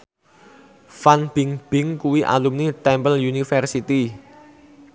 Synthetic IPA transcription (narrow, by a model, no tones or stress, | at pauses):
fanb̥ɪŋb̥ɪ̤ŋkuwiʔa̰lumnit̪ɛmpəljunifɛrsit̪i